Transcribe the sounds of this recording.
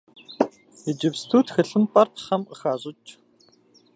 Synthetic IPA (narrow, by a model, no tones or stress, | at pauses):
ed͡ʒɪpstʰuːtxɨɬɨnpʼɐrt̪χɐməxaːʑʼʊt͡ʃʼ